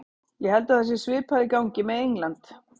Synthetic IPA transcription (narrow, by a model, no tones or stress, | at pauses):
jɛhɛlt̪aθɛs̬ːɪsvɪːpʰaðɪkawɲcɪmɛðejŋlant̪